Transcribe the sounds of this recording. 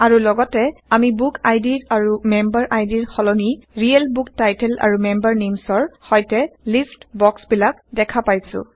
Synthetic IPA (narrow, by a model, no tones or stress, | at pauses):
aɹulɔɡɔtɛamibukʰajdiɹaɹumɛmbaɹʔajdiɹxɔlɔniɹiɛlbuktajtɛla̰ɹumɛmbaɹnimsɔɹhɔjtɛlistbɔksbilak̚dɛkʰapajsʊ̰̃